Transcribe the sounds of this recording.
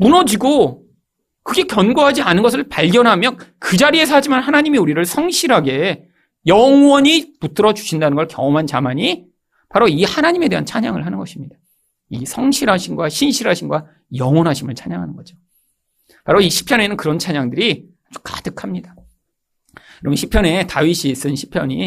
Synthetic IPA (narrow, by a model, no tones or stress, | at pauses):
munʌd͡ʑiɡo | kɯɡe̞kjʌnɡoɦad͡ʑianɯnɡʌs̬ʰɯɭpaʎɡjʌnɦamjʌnkɯd͡ʑaɾie̞sʰʌɦad͡ʑimanhanaɲimiuɾiɾɯɭsʰʌŋɕʰiɾɦaɡe̞ | jʌŋwʌɲiput͈ɯɾʌd͡ʑu̥ɕʰindanɯnɡʌɭkjʌŋʌmɦant͡ɕamaɲi | paɾoihanaɲime̞de̞ɦant͡ɕʰaɲaŋɯɭɦanɯnɡʌɕʰimɲid̥a | isʰʌŋɕʰiɾɦaɕʰinɡwaɕʰinɕʰiɾɦaɕʰinɡwa | jʌŋwʌnɦaɕʰimɯɭt͡ɕʰaɲa̰ŋɦanɯnɡʌd͡ʑo | paɾoiɕʰi̥pʰjʌne̞nɯnkɯɾʌnt͡ɕʰaɲaŋdɯɾi | ad͡ʑu̥kḁdɯkʰamɲida | kɯɾʌmʌnɕʰipʰjʌne̞taɥiɕʰiːs͈ɯnɕʰi̥pʰjʌɲi